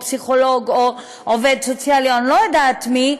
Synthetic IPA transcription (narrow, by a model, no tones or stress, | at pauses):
psiχoloɡo | ʔoved̪sot͡sjalionlojadatmi